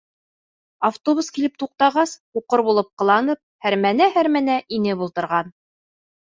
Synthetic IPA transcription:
aft̪oβuskilɘp̚t̪uq̚t̪ɑʁɑshuqɤɾβulˠɤp̚qɤ̆lˠɑnɤp̚hæɾmænæhæɾmænæʔinɘbulˠt̪ɤ̆ɾʁɑn

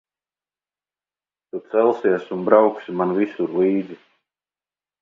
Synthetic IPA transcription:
t̪ut̪sɛlˠsiɛsunbɾawksimanvisuɾliːd̪zi

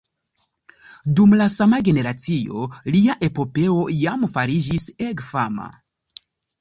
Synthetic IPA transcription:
dumlasamaɡe̞ne̞ɾat͡sio̞̰liaʔe̞po̞pe̞o̞jamfaɾid͡ʒisekfama̰

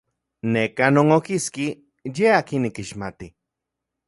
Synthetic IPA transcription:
nekanoŋokiski | jeaːkinːikiʃmat̪i

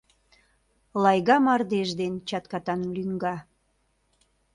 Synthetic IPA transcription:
lɑjɣɑmɑrd̪eʒd̪ent͡ɕɑt̪kɑt̪ɑnlyŋɡɑ

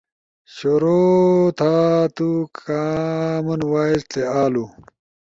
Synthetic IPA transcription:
ɕoɾoːt̪ʰaːt̪ukamɐnwaːist̪ʰeaːlu

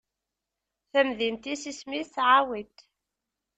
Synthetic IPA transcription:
θæmðint̪isismiθsʕawit̪

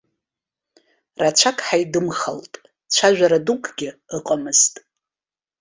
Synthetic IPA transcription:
rat͡ʃʷʰakʼħajdɨmχaltʼ | t͡ʃʷʰaʒᶣaɾadukʼɡ̥ʲɪɨqʼamɨztʼ

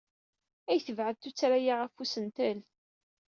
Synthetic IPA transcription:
æjθəvʕəðt̪ːut͡sːɾajaʁæfusənt̪əl

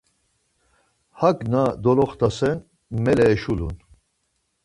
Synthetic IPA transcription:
hakʼnad̪ɔlɔχt̪ʰasɛn | mɛlɛːʃulṵn

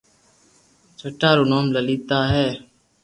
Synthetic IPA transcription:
t͡ʃʰəʈaːɾoːnoːmləliːt̪aːɦɛː

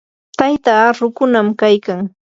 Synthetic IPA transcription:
t̪ajt̪aːɾʊkʊnamkajkaŋ

